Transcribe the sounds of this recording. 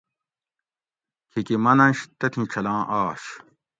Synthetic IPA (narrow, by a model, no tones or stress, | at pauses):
kʰikimɐnɐ̃ɕt̪ɐt̪ʰĩʈ͡ʂʰɐlãːʔaːɕ